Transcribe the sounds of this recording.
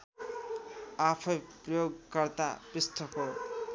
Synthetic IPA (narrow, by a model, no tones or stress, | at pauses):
apʰʌjprʌjoɡkʌrt̪a̰pist̪ʰʌpo